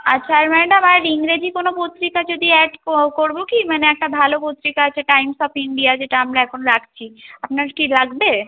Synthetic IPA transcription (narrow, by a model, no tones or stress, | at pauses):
ɐ̰tːʃʰaɛɾmɛ̃ɖɐmaɾiŋɡɾed͡ʒikonopot̪ɾikad͡ʒod̪ʱiɛɖkoɾbokimɛːneɛːk̚ʈabʱalopot̪ɾikat͡ʃʰeʈaːɪimsɔːpʰɪɳɖijad͡ʒeʈaɐmlaɛkʰonoɾakʰt͡ʃʰiɐpnakilɐɡbe